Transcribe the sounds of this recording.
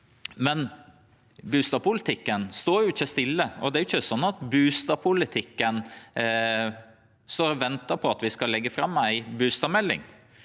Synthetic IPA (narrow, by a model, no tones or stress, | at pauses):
mɛn | bʉːst̪ɑːʋpʰʊlɪt̪ʰɪkːənst̪oːɾjʊɪçːəst̪ɪlːəɔd̪ɛæɾʊɪçːəsɔnːɑt̪bʉːst̪ɑːʋpʰʊlɪt̪ʰɪkːən | st̪oːɾɔʋɛnt̪əpʰɔɑt̪ʋɪskɑlːɛɡːəfɾɑmːæɪbʉːst̪ɑːmɛlːɪ̰ŋ